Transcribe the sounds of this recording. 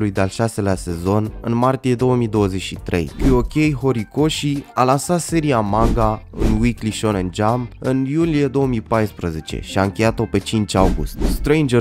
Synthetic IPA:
lujd̪ealʃase̞lease̞zo̞nɨ̰nmart̪ije̞d̪o̞wəmid̪o̞wəzeʃit̪ɾe̞̰jkuokʲejɦo̞ɾiko̞ʃialansat̪se̞ɾiamaŋɡaɨ̰nwikliʃo̞nend͡ʒamɨnjulije̞d̪o̞wəmipajspɾəze̞t͡ʃe̞̰ʃiaɨŋkʲe̞jat̪o̞pe̞t͡ʃint͡ʃʲawɡṵst̪st̪ɾejnd͡ʒə

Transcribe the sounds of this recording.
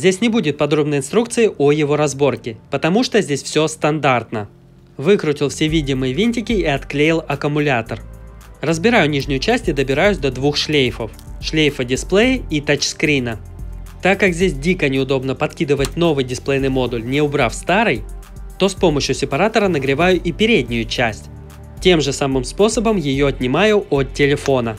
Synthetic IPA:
zʲdʲesʲnʲɪbudʲɪt̪̚pɐd̪ɾo̞bnəjɪnst̪ɾuk̚t̪sɨjɪʔojɪvo̞ɾɐzbo̞rkʲɪpət̪ɐmuʂt̪ozʲdʲesʲfsʲo̞st̪ɐnd̪art̪nə | vɨkɾʊtʲɪlˠfsʲevʲidʲɪmɨjəvʲinʲtʲɪkʲɪiɐt̪klʲejɪlˠɐkəmʊlʲat̪ərrəzbʲɪɾajʊnʲiʐnʲɪjʊt͡ɕæsʲtʲɪd̪əbʲɪɾajʉsʲd̪ɐd̪vuxʂlʲejfəf | ʂlʲejfədʲɪsplˠejɪit̪at͡ɕskɾʲinə | t̪akːakzʲdʲesʲdʲikənʲɪʊd̪o̞bnəpɐt̪kʲid̪əvətʲno̞vɨjdʲɪsplˠejnɨjmo̞d̪ʊlʲnʲɪʊbɾafst̪aɾɨj | t̪o̞spo̞məɕjʊsʲɪpɐɾat̪əɾənəɡɾʲɪvajʊʔipʲɪɾʲedʲnʲɪjʊt͡ɕæsʲtʲ | tʲːe̞mʐɨsamɨmspo̞səbəmjɪjo̞ɐt̪ʲnʲɪmajʊʔot̪ʲtʲːɪlʲɪfo̞nə

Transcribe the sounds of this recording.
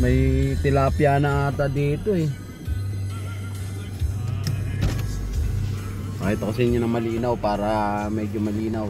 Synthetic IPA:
mɐjt̪ɪlapjaːnɐat̪ad̪iːt̪oɛ | maːhɪt̪ːakɐsɛɪɲːonɐŋmɐliːnawpaːɾɐmɛːd͡ʒomɐliːnaw

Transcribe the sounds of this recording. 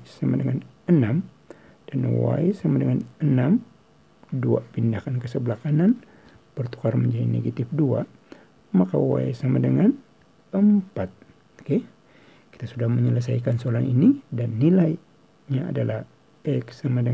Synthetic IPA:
samadəŋanənam | d̥anwa̰isamadəŋanənam | dua̰pindakankəsəblakanan | bərt̪u̥karməɲd͡ʒadinḛɡat̪ɪfdua̰ | maka̰wa̰jsamadəŋan | əmpat̪̚ | o̥ke | ki̥t̪asudahməɲələs̬ajkansəolaninidanːilaj | ɲaa̰dalah | ɛksamadə

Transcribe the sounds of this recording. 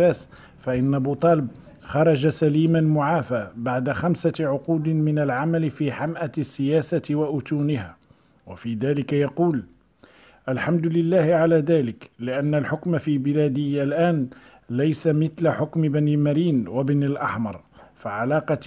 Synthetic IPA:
æːs | faʔɪnːabuːt̪ˤɑːləb̚ | xɑɾˤɑd͡ʒasæliːmanmʊʕaːfaːbaʕd̪axamsaʕʊquːd̪ɪmɪnalʕamalfiːħamʔasːɪjæːsawaʔʊt̪uːnɪha | wafiːd̪æːlɪkajɑquːl | ʔalħamd̪lɪlːæːhɪʕalæːd̪æːlɪklɪʔanːalħʊkmafiːbɪlæːd̪ɪhalʔæːn | lajsamɪt̪laħʊkmɪbænimaɾiːnwabnalʔɑħmɑ̰ɾˤfaʕalɑːqɑ

